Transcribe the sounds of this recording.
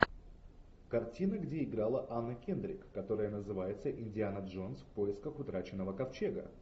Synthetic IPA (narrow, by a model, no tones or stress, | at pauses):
kɐrtʲinəɡdʲeɪɡɾalˠəʔanːəkʲend̪ɾʲɪ̰kːɐt̪o̞ɾəjənəzɨvajɪt̪səʔɪnʲdʲɪanəʐo̞nsfpo̞jɪskəxʊt̪ɾat͡ɕɪnːəvəkɐft͡ɕe̞ɡə̰